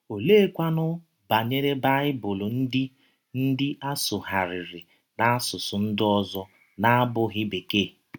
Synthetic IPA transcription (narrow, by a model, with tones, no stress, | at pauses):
o˨leː˦kʷa˦nʊ˦ | ba˨ɲe˦ɾe˦ba˦ɪ˦bʊ˨lo˨n̩˦dɪ˦ | n̩˦dɪ˦ʔa˦sʊ˨ɦa˨ɾɪ˨ɾɪ˨ | na˦a˦sʊ˨sʊ˨n̩˦dɪ˦ɔ˦zɔ˦ | na˦a˦bʊ˦ɣɪ˦be˨ke˦˨